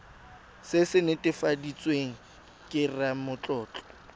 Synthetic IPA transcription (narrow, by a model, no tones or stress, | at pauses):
sɪsɪnɪtʼɪfadit͡sʼweŋ̩ | kʼɪramʊt͡ɬʼɔːt͡ɬɔ̥